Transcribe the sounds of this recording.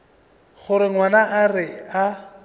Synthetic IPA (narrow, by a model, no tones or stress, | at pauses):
ɣʊɾɪŋwanaʔarɪa